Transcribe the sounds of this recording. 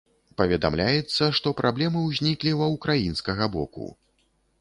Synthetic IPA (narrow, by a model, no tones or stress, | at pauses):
pɐvʲɛd̪a̰mlʲajɛt̪sːɐʂt̪ɔpɾʔablʲɛmɨwzʲnʲiklʲiwɐwkɾajinskɐɣɐbɔkṵ